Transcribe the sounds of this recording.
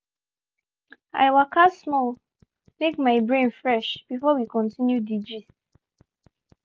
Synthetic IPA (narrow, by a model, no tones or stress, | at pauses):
a̰ɪwakʰasmɔl | mekmaɪbɹẽnfɹɛʃb̥ifɔwikɔ̃ntĩnjudid͡ʒi